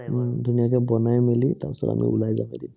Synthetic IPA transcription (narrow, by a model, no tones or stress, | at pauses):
dʱunijakɛbɔnajmilitapɛ̥sɔ̰ta̰mḭʔʊlajza̰midi